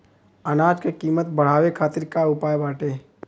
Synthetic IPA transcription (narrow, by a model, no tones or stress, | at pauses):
ɐnaːd͡ʒkekiːmət̪bəɽ̤aːwekʰaːt̪ɪɾkaʊpaːjbaːʈeː